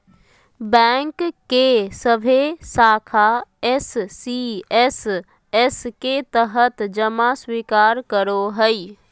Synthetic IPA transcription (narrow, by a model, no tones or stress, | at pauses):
bɛ̃ŋkkːesəbʱesaːkʰaɛsːiɛs | esket̪əɦət̪d͡ʒəmaswiːkaːɾkəɾoɦəi